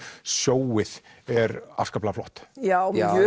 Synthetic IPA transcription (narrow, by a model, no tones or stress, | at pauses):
sjoːwɪð̥ɛɾa̰fskaplaflɔht̪ja